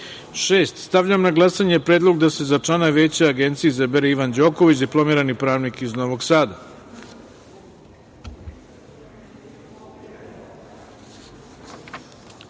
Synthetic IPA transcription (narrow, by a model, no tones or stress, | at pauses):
ʃeːst̪st̪aʋʎamnaɡlˠasaɲepɾeːd̪lˠoɡd̪ase̞zat͡ʂlanaʋe̞ːt͡ɕeaɡe̞nt̪sijizabeɾeiʋand͡ʑo̞ːko̞ʋit͡ɕd̪iplˠo̞miːɾanipɾaːʋnikizno̞ʋo̞ɡsaːd̪a